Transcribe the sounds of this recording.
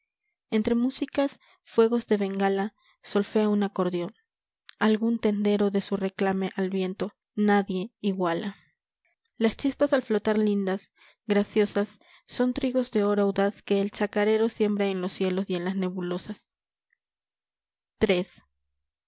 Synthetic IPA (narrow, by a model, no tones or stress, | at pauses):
e̞nt̪ɾe̞musikas | fwe̞ɣo̞zðe̞βe̞ŋɡala | so̞lfeaunako̞ɾðjo̞n | alɣunt̪e̞nd̪e̞ɾo̞ðe̞sure̞klame̞ʔalβje̞nt̪o̞ | naðje̞iɣwalʔa | last͡ʃispasalflo̞t̪aɾlind̪as | ɡɾasjo̞sasː | o̞nt̪ɾiɣo̞zðe̞o̞ɾawðaske̞ːlt͡ʃakaɾe̞ɾo̞sje̞mbɾae̞nlo̞sje̞lo̞sie̞nlasne̞βulo̞sas | t̪ɾe̞s